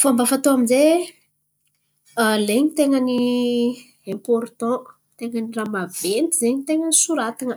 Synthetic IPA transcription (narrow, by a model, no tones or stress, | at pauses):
fambafat̪oaminze | leɲit̪eŋəni | ẽmpɔɾt̪ɔ̃ | t̪eŋəniramav̥ent̪izeɲit̪eŋənisuɾat̪inə